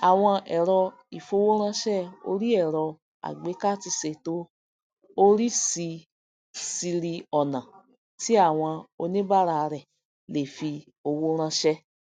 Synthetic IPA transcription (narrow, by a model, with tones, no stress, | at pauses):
a˨w̃ɔ̃˧ɛ˨ɾɔ˧ | i˨fo˧wo˦ɾ̃ã˧ʃɛ˦o̰˧ɾi˦ɛ˦˨ɾɔ˧ | a̰˨ɡ͡be˨˦ka˦˨ti˧se˧˨to˦ | o˦ɾi˦si˧ | si˧ɾi˧ɔ˨nã˨ | ti˨˦a˦˨w̃ɔ̃˧o˧nĩ˦ba˦ɾa˧ɾɛ˨ | le˨fi˧ | o˧wo˦ɾ̃ã˧ʃɛ˦